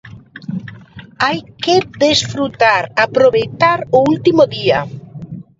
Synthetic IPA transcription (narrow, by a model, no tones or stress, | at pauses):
ajkeðesfɾut̪aɾapɾoβejt̪aɾoult̪imoðia